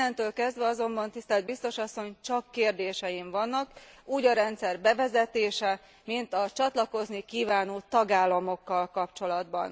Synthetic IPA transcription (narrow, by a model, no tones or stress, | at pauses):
ɛnt̪øːlkɛzd̪ʋɛɒzo̞mbɒnt̪ist̪ɛːld̪̚bist̪o̞ʃɒsːo̞ɲt͡ʃɒkːeːrd̪eːʃɛjiɱvɒnːɒkuːɟɒɾɛnt̪sɛrbɛvɛzɛt̪eːʃɛ | mint̪ɒt͡ʃɒt̪lɒko̞znikiːvaːnoːt̪ɒɡaːlːɒmo̞kːɒlkɒpt͡ʃo̞lɒd̪bɒ̰n